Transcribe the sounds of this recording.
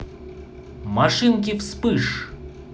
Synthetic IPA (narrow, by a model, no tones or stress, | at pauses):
maʂɨnk̬ʲifspɨʂ